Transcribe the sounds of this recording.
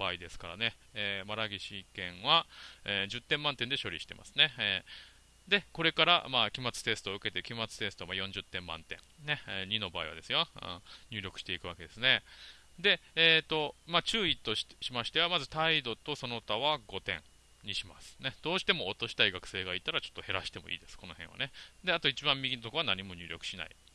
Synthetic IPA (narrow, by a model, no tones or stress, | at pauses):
b̥aːid̪e̞sɨ̥kaɾa̰ne̞eːmaɾaɡʲiɕikẽ̞ɰ̃βaeːd͡ʑɨt̪ːẽmːãnt̪end̪e̞ɕo̞ɾʲḭɕi̥t̪e̞ma̰sɨ̥ne̞ː | d̪e̞ko̞ɾe̞kaɾa̰maːkʲimat͡sɨ̥t̪e̞sɨ̥t̪o̞ɯ̟ke̞t̪ekʲimat͡sɨ̥t̪e̞sɨ̥t̪o̞majõ̞ɲ̟d͡ʑɨt̪ːẽ̞mːã̰nt̪ẽ̞ŋne̞ɲ̟ino̞baːiβa̰d̪e̞sɨjõ̰ɲ̟ʲɨːɾʲo̞kɯ̟̥ɕi̥t̪e̞ikɯ̟βake̞d̪e̞sɨne̞ | d̪e̞eːt̪o̞mat͡ɕɨːit̪o̞ɕimaɕi̥t̪e̞βamazɨt̪aid̪o̞t̪o̞so̞no̞t̪aβaɡo̞t̪ẽ̞̰ | ɲiɕima̰sɨ̥ne̞d̪̥o̞ːɕi̥t̪e̞mo̞ːt̪o̞ɕi̥t̪aiɡakɯ̟̥se̞ːɡait̪ːaɾat͡ɕo̞̥t̪ːohe̞ɾaɕi̥t̪e̞mo̞̰ḭːd̪e̞sɨ̥ko̞no̞hẽ̞βa̰ne̞d̪e̞at̪o̞it͡ɕibãmmʲiɡʲinot̪o̞koanaɲ̟imo̞ɲ̟ɨːɾʲo̞kɯ̟̥ɕina̰ḭ